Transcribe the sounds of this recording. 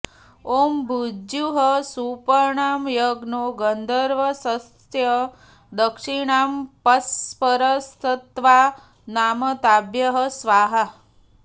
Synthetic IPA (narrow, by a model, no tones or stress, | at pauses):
ombʱud͡ʒjuɦəsupəɳamjəɡnoɡənd̪ʱəɾʋəsəst̪ʰjə | d̪əkʂiɳampəspəɾəst̪ʰət̪ʋa | namət̪abjəɦəsʋaɦa